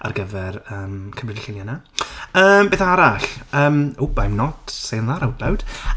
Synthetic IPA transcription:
a̰rɡəvɛrəːmkʰəmrɪdɪɬɪnjanaəːmbeːθaaɾaɬəːmubajmnɔtsejnlˠaɾawdlawd̥

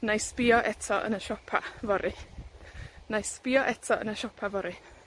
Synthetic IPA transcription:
najspɪɔʔɛtʰɔʔə̰nəʃɔpʰa̰vɔɾʔi | najspɪɔʔɛtʰɔə̰nəʃɔpʰavɔɾi

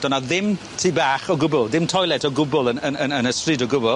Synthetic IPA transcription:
d̥ɔnaðɪm | tʰiːbaːχɔɡʊbʊlˠðɪmtʰɔjlˠɛtʰɔɡʊbʊlˠənənənənəstrɪːdɔɡʊbʊlˠ

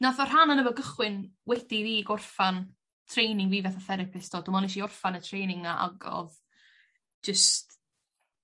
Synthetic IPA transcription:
naθɔr̥ɦananəvɔɡəχwɪnwɛd̥iðiːɡʊrfan | tʰrejnɪŋviːvɛθaθɛɾɪpʰɪsd̥oːdɔmɔnɪʃ̬iʊrfanətʰrejnɪŋnaʔa̰ɡɔ̰ð | d͡ʒəst

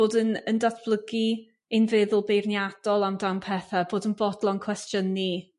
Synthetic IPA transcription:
oːdənəndaθb̥lˠəɡi | ɪnvɪðʊlˠbejrnjad̥ɔlˠamdampʰɛθaboːdənbɔdlˠɔnkʰw̥ɛstjənːi

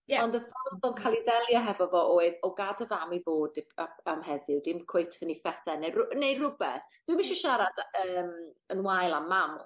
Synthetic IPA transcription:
jɛɔndəfɔlθɔlˠkʰalˠiðɛlˠjɔɦɛvɔvɔʔoːɨðɔɡadəvamiboːd̚ɪbaamɦɛðɪwdɪmkʰw̥ejtʰənifɛθɛnerʊnejrʊbɛθd̥wɨmɪʃɔʃaɾad̥əːmənwajlˠamːamχ

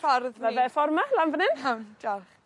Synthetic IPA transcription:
aɾðmavɛfɔrmalanvənɪnawnd͡ʒa

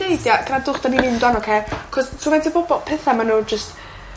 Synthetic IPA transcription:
ejdjaɡ̥ənadʊχd̥animɪndwanɔkʰeːkʰɔstʰunadʰibɔbɔpʰɛθamanuːd͡ʒəst

